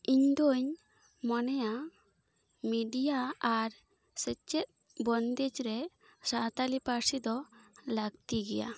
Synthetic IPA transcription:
iɲd̪oɲ | mɔnɛja | miɖijaaɾ | sɛt͡ʃɛt̪̚ | bɔnd̪ɛd͡ʒɾɛ | sat̪alipaɾsid̪ɔlaɡ̚t̪iɡɛja̰

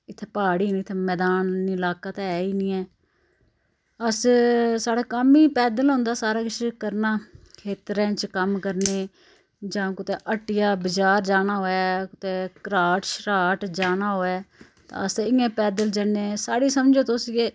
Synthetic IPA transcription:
ɪt̪ʰːeːpaːɽiːnĩːt̪ʰːeːmɛːd̪aːniːlaːkaːt̪ːɛːiːnĩːɛː | əssaːɽaːkəmiːpɛːd̪əlɦõːnd̪aːsaːɾaːkɪt͡ʃkəɾnaːkʰeːt̪ɾɛ̃ːt͡ʃkəmkəɾneː | d͡ʒãːkʊt̪eːʔəʈːɪjaːbəd͡ʒaːɾd͡ʒaːnaːɦoːɛːkʊt̪eːkɾaːʈʃɾaːʈd͡ʒaːnaːɦoːɛː | t̪ã̰ːəsɪjãːpɛːd̪əld͡ʒəneːsaːɽiːsəmd͡ʒoːt̪oseː

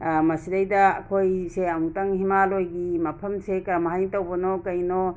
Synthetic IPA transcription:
mɐsiɾajdɐɐ̰kʰojseɐmuŋtaŋhimalojɡimɐpʰɐmsekɐɾmaɦajŋtawbɔnɔkɐjnɔ

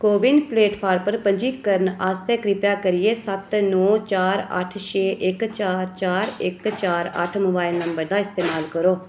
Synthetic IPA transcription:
koːbɪnpleːʈpʰaːɾpəɾpəɲd͡ʒiːkəɾənaːst̪ɛːkɾɪpjaːkəɾɪeːsət̪nɔːt͡ʃaːɾə̰ʈʰʃeːʔɪkt͡ʃaːɾt͡ʃaːɾɪkt͡ʃaːɾə̰ʈʰmoːbaːɪlnəmbəɾd̪aːɪst̪eːmaːlkəɾoː

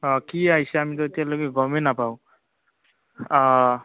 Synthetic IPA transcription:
kiajsɛamit̪̬ɔetijaloɡeɡɔmenapaw

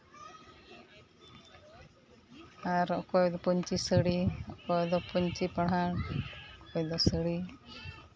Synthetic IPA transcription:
aɾɔkɔjd̪ɔpɔɲt͡ʃisəɽiɔʔkɔjd̪ɔpuɲt͡ʃipaɽɦaɽkɔjd̪ɔsəɽi

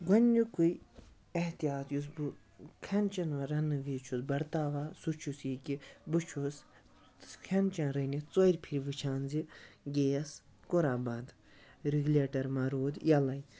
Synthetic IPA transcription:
ɡɐnʲːukuj | eht̪ijaːt̪jus̬bu | kʰɐnt͡ʃɐnʋɐɾɐnɨʋit͡ʃʰusbɐɾt̪aːʋaːsut͡ʃʰusikibɨt͡ʃʰus | kʰɐnt͡ʃãːɾɐnit͡soiɾʲpʰiɾʋɨt͡ʃʰaːnziɡeːɐs | koɾaːbãnd̪ | ɾiɡlʲeːʈɐɾmɐɾoːd̪jɐlɐj

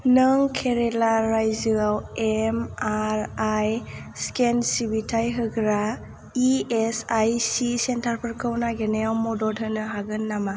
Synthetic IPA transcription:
nɯŋkʰeɾelaɾajzɯawemaɾaj | skensibitʰajɦɯɡɾa | iesajsisentʰaɾpʰɯɾkʰɯwnaɡeneawmɔdɔtʰɯnɯɦaɡɯnːama

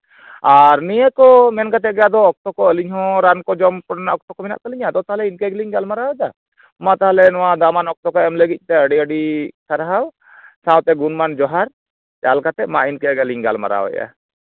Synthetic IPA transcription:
aɾnijəkɔmɛnkat̪ɛɡjad̪ɔːk̚t̪ɔkɔəliɲhɔ̃ɾankɔd͡ʒɔmkɔɽnaʔɔk̚t̪ɔkɔmina̰ʔk̪əliɲad̪ɔt̪aɦalɛinkɛɡliɲɡalmaɾawɛd̪a | mat̪aɦalɛnɔwad̪amanɔk̚t̪ɔkɔɛmləɡic̚ˀt̪ɛəɖiəɖisaɾɦaw | sãwt̪ɛɡunmand͡ʒɔɦaɾ | d͡ʒalkat̪ɛʔmainkɛɡaliɲɡa̰lma̰ɾa̰wɛ̰ja̰

